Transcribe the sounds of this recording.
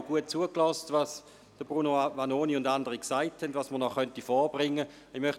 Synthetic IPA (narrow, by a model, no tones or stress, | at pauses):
ɡ̥uət̚t͡suəklɔstvɑːs | d̥əb̥ʁunovanoːniʊndandəʁiksaɪthɛndvaːsməʁnɔχœntifɔːb̥ʁɪŋːə | ɪmœχt